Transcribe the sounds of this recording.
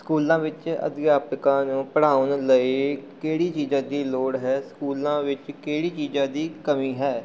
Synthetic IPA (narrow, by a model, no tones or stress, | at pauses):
skuːlãːʋɪt͡ʃə̰d̪ɡjaːpəkãːnũːpəɽaːʊnləeːkeːɽiːt͡ʃiːzãːd̪iːloːɽɦɛːskuːlãːʋɪt͡ʃkeːɽiːt͡ʃiːzãːd̪iːkəmiːɦɛː